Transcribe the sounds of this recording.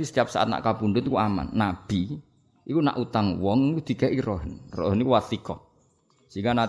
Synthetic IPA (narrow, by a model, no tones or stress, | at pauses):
isə̥t̪ijap̚sa̰ʔat̪̚na̰ʔkapundʊt̪kuama̰nːab̥i | ʔikuna̰ʔut̪aŋwɔŋikud̪̥i̤keʔiɾɔɦənrɔ̰ɦənikuwat̪ikɔ | siŋana